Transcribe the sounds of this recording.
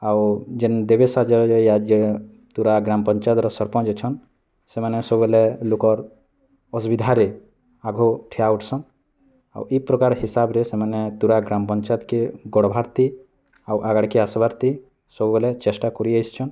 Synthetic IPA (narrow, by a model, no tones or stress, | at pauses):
awd͡ʒend̪ebesad͡ʒɔɾd͡ʒejad͡ʒe | t̪uɾaɡɾampɔnt͡ʃad̪ɾɔsɔɾpɔ̃d͡ʒet͡ʃʰɔn | semanɛsɔbuelɛlukɔɾ | ɔsbid̪ʱaɾe | aɡʱoʈʰiauʈʰsɔn | a̰wʔipɾɔkaɾɦisabɾesemanɛt̪uɾaɡɾampɔɲt͡ʃat̪keɡɔɽbʱaɾt̪i | awʔaɡəɽkeasbaɾt̪i | sɔbuelɛt͡ʃesʈakɔɾiajst͡ʃʰɔn